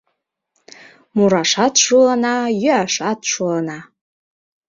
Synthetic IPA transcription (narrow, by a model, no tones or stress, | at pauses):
muɾaʂatʰʂulanajʏaʂatʰʂulana